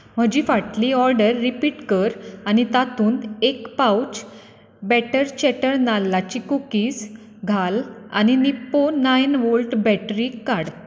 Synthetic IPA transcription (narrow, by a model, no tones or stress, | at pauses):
m̤əd͡ʑiːfaʈliɔɾɖəɾːipiːʈkəɾañit̪at̪uːnekpawt͡ɕ | bɛʈəɾt͡ɕɛʈəɾnalːat͡ɕikukiːs | ɡʱala̰ñinipːonajnʋolʈbɛʈɾiːkaɽ